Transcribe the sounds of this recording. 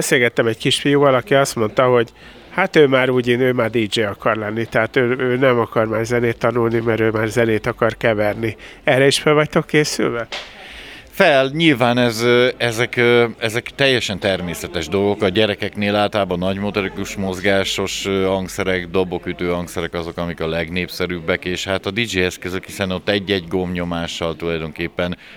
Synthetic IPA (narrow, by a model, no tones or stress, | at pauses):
seːlɡɛt̪ːɛmɛɟkiʃfijuːvɒlɒkiɒst̪mo̞nt̪ɒɦoɟ | hat̪øːmaːɾuːɟeːnøːmaːrd̪iːd͡ʒeːɒkɒrlɛnːit̪ɛɦaːt̪øːøːnɛmɒkɒrmaːrzɛneːt̪ːɒnulnimɛɾøːmaːrzɛneːt̪ɒkɒrkɛvɛrni | ɛrːɛiʃfɛvɒc̚t̪o̞kːeːsy̰lvɛ | fɛlɲilvaːnɛzɛzɛkɛzɛkt̪ɛjːɛʃɛnt̪ɛrmeːsɛt̪ɛʒd̪o̞lɡo̞kɒɟɛɾɛkɛkneːlaːlt̪ɒlaːbɒnɒɟmo̞t̪o̞ɾikuʃmo̞zɡaːʃo̞ʃhɒŋksɛɾɛɡd̪o̞bo̞kyt̪øːɒŋksɛɾɛkɒzo̞kɒmikɒlɛɡneːpsɛɾyːbːɛkeːʃhaːt̪ɒd̪id͡ʒiɛskøzøkhisɛno̞t̪ːɛɟːɛɟɡo̞mɲo̞maːʃːɒlt̪ulɒjd̪o̞ŋkeːpːɛn